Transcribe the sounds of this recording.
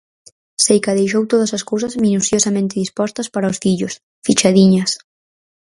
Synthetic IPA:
sejkaðejʃ̬owt̪oðɐsɐskowsɐzmĩnusjosamẽnt̪ɪðispɔst̪ɐspaɾaʊsfiʎʊs | fit͡ʃaðiɲɐs

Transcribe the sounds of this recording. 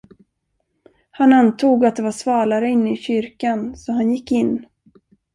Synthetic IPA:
hanant̪ʰuːɡat̪̚d̪ɛvaʂvɑːlaɾəɪnːɪɕʏɾkansɔɦanjɪkːɪnː

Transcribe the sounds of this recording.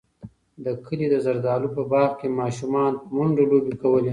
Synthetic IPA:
d̪əkʰəlid̪əzaɾd̪ɑːlupəbɑɣkemɑʃumɑnmʊɳɖalobikawəle

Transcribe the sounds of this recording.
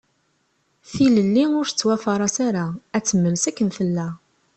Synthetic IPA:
θiləlːiʊɾθə̥t͡sːwæfɑɾˤɑsaɾaæt͡sːəmːəlsækːənθəlːæ

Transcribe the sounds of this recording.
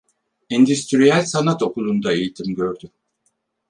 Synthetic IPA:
ind̪yst̪ɾijælʲsanat̪o̞kulˠund̪aejit̪ʰimɟøɾd̪y

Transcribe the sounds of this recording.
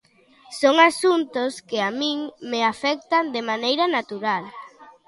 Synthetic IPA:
soŋasunt̪ʊskɪamĩŋmeafɛk̚t̪and̪emanejɾɐnat̪uɾal

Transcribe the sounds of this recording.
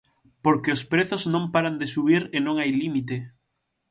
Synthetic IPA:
poɾkeospɾeθoznõmpaɾand̪esuβ̞iɾenõŋajlimit̪e

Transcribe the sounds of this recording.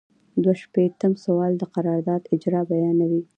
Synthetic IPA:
d̪waʃpet̪əmsawɑld̪əqaɾɑɾd̪ɑd̪ɪd͡ʒɾɑbajɑnawi

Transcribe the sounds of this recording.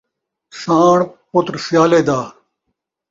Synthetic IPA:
saːɳpʊt̪ɾsjaːleːd̪aː

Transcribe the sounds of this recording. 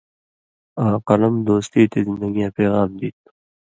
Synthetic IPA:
aːqɐlɐmd̪oːst̪iːt̪ezɪ̃nd̪ɐɡijãːpeːɣaːmd̪iːt̪̚

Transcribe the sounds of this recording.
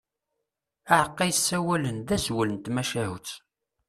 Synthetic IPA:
aʕəqːæjsːæwælənðæzwələnt̪mæʃæhut͡s

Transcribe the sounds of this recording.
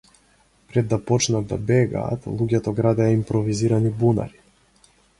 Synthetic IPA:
pɾɛd̪ːapɔt͡ʃnad̪̚d̪a̰bɛɡa̰ːt̪lˠuɟʲɛt̪ɔɡɾad̪ɛjaimpɾɔviziɾanibuna̰ɾi̥

